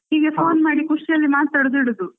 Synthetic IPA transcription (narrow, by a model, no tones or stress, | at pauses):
niːɡepʰo̞ːnmaːɽikuʂiɐlːimaːt̪ɐːɽud̪uiɽud̪u